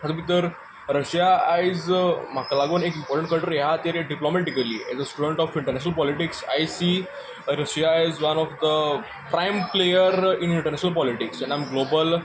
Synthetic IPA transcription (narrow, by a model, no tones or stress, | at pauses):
ət̪bit̪əɾ | ɾəɕjazm̤akalaɡonekĩmpɔɾʈə̃ɳʈkəɾʈəɾjeɦat̪eɾeɖiplomɛʈikəlḭɛ̰zəsʈuɖə̃ɳʈɔfĩɳʈəɾnɛɕnəlpɔliʈiksa̰jsiː | ɾəɕjaɛzʋɐnɔfd̪ə | pɾãɪmplejəɾɪ̃nĩɳʈəɾnɛɕənəlpɔliʈiksɛ̃ɳãɪmɡlobəl